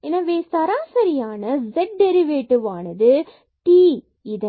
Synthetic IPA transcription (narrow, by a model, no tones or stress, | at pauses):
eːnːaːʋeːst̪aːɾaːsɐɾɪjaːnɐzɛʈ̚ɖɛɾɪʋeːʈːɯʋaːnɐðɯ | ʈiː | ɪðɐ